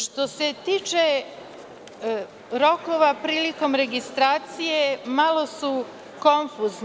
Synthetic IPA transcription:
ʃt̪o̞se̞t̪iːt͡ʃe | ɾo̞ko̞ʋapɾiːliko̞mɾe̞ɡist̪ɾaːt̪sije̞malˠo̞su | konfuːzn

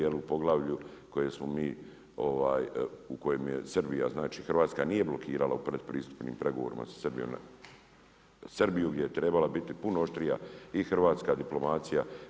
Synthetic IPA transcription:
jeliupo̞ɡlˠaːʋʎuko̞jesmomiː | o̞ʋaːjuko̞jemjḛsrɾbija̰znaːt͡ʃiːxrɾʋaːt̪skanije̞blo̞kʰiːɾalaupɾe̞d̪pɾiːst̪u̥pnḭːmpɾe̞ɡo̞ʋoɾḭma̰sḁsrbijo̰mn | sɨrbijuɡd̪ʲje̞jet̪ɾe̞balabit̪ipunooʃt̪ɾijaixrɾʋaːt̪skaːd̪iplo̞maːt̪sija

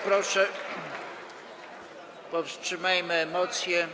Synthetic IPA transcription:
pɾɔʂɛ | pɔfstʂɘmajmɘɛmɔt̪sʲjɛ

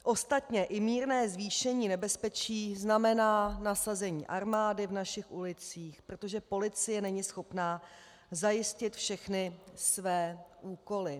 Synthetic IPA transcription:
ʔo̞st̪at̪ɲɛʔɪmiːɾnɛːzviːʃɛɲiːnɛbɛspɛt͡ʃiːznamɛnaːnasazɛɲḭːʔaɾmaːdɪvnaʃɪxʔulɪt͡siːxpɾo̞t̪o̞ʒɛpo̞lɪt͡sɪjɛnɛɲɪsxo̞pnaː | zajɪscɪt̪fʃɛxnɪsvɛːʔuːko̞lɪ

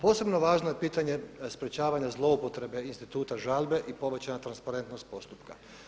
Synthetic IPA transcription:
po̞ːse̞bno̞ʋaːʒnoje̞piːt̪aɲe̞spɾe̞t͡ɕaːʋaɲazlˠo̞upo̞t̪ɾe̞be̞inst̪it̪uːt̪aʒaːʎbe̞ʔipo̞ʋe̞t͡ɕaɲat̪ɾanspaɾe̞nt̪nost̪̚po̞st̪upka̰

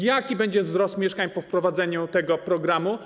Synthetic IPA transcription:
jakʲibɛɲd͡ʑɛvzɾɔst̪mʲjɛʂkaɲpɔfpɾɔvad̪zɛɲut̪ɛɡɔpɾɔɡɾamu

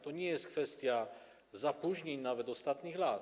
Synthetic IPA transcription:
t̪ɔɲɛjɛst̪̚kfɛst̪ja | zapuʒɲɛɲnavɛd̪ɔst̪at̪ɲiɣlat̪

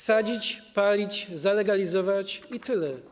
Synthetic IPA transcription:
sad͡ʑit͡ɕpalʲit͡ɕzalɛɡalʲizɔvat͡ɕit̪ɘlɛ

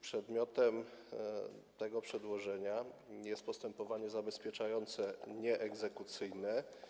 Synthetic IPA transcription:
pʂɛd̪mʲjɔt̪ɛm | t̪ɛɡɔpʂɛd̪wɔʐɛɲajɛst̪̚pɔst̪ɛmpɔvaɲɛzabɛspʲjɛt͡ʂajɔnt̪sɛɲɛʔɛɡzɛkut̪sɘjnɛ

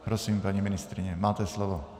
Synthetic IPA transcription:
pɾosimpaɲimɪnɪst̪ɾɪɲɛmaːt̪ɛslovo

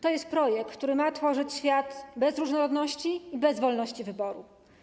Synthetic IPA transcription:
t̪ɔjɛst̪̚pɾɔjɛk̚k̪ːt̪uɾɘmat̪fɔʐɘt͡ɕɕfʲjat̪bɛzɾuʐnɔɾɔd̪nɔɕt͡ɕiːbɛzvɔlnɔɕt͡ɕivɘbɔɾṵ

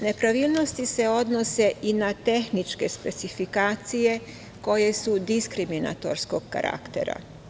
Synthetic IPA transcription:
ne̞pɾaʋiːlˠno̞st̪ise̞o̞d̪nose̞ʔinat̪e̞xnit͡ʃke̞spe̞t̪sifikaːt̪sije̞ | ko̞je̞sud̪iskɾimina̰t̪oɾskoɡ̚ka̰ɾʔa̰kt̪e̞̰ɾa̰

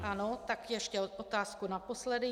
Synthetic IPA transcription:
ʔano̞t̪akjɛʃcɛʔot̪aːskunapo̞slɛdɪ

